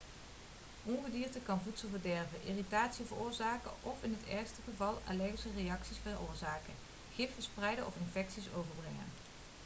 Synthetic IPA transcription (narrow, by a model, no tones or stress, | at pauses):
ʔɔnχədiːɹtəkɑnvutsəlˠvəɹdɛɹvəʔɪːritaːtsivərʊːɹzaːkəʔɔfɪnɦətɛɹstəχəvɑlˠa̰lɛɣisərejɑksisfərʊːɹzaːkə | χɪffəsprɛjdəʔɔ̰fɪnfɛksisowvəɹbrɛŋə̰n